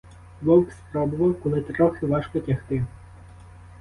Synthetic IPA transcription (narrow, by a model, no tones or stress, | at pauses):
lɔwkspɾɔbɔvɐwkɔlˠɪt̪ɾɔxɪʋaʂkɔtʲaxt̪ɪ